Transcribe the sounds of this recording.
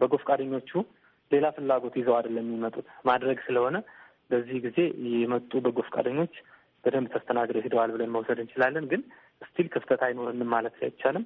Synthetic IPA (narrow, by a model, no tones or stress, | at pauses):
bəɡo̞fkʼad̪əɲːo̞t͡ʃːu | le̞lafɨlːaɡo̞t̪jɪzəwad̪əlːəmːimət̪ʼut̪mad̪ɾəɡsɨləho̞nə | bəzːihɡize̞jɛmət̪ʼːubəɡo̞fkʼa̰d̪əɲːo̞t͡ʃː | b̥əd̪əmbt̪ʰəst̪ʰənaɡd̪əwɦed̪əwalbɨlənməwsəd̪ɨnt͡ʃɪlalːənɡɨn | ʔɨst̪ʰilkʰɨft̪ʰət̪ʰajɪno̞ɾɨnːɨmːalət̪la̰jɪt͡ʃːalɨm